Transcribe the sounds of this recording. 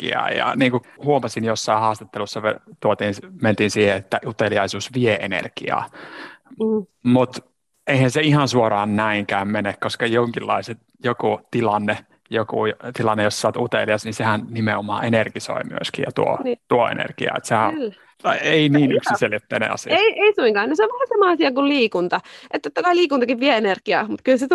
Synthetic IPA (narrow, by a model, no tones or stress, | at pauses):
kḭɑ̰ːjɑ̰niːŋkuhuomɑsinjosːɑihɑːst̪ɑt̪ːelusːɑʋḛt̪uot̪iːnment̪iːnsiːheet̪ːæʔut̪eliɑisuːsʋieenḛrkḭɑ̰ː | mut̪ | eihænseihɑnsuorɑːnnæiŋkæːmmenekkoskɑjoŋkilːɑ̰iset̪ | jokut̪ilɑnːe | jokṵjt̪ilɑnːejossɑˑt̪ut̪ḛliɑsninsehænnimeomɑ̰ːenerkiso̰imy̰øskijɑt̪uo̰ːt̪uoḛnḛrkiɑ̰ːḛt̪sehælː | ɑieiniːnykssiselit̪ːænḛɑ̰sḭɑeieisuiŋkɑːnoseoʋʋɑːnsɑmɑɑsiɑkulliːkunt̪ɑʔet̪t̪ːot̪ːɑkɑiliːkunt̪ɑkiʋʋieenerkiɑ̰ːmut̪kylset̪